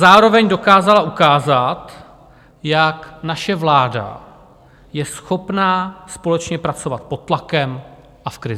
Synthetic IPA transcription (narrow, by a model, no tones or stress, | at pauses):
zaːɾo̞vɛɲdo̞kaːzalaukaːzat̪ | jaknaʃɛvlaːda̰ | jɛsxo̞pnaːspo̞lɛt͡ʃɲɛpɾat͡so̞vat̪̚po̞t̪ːlakɛm | ʔafkɾɪzɪ